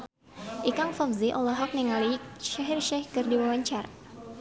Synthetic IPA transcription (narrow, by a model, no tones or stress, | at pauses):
ʔikaŋfafziʔɔlaɦɔk̚niŋaliʃaɦirʃɛhkɨrdiwawaɲt͡ʃar